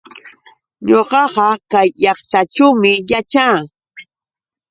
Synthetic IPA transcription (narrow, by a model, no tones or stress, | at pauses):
ɲoɢɑɢɑkajʎɑχt̪aʈ͡ʂawmɪjat͡ʃaː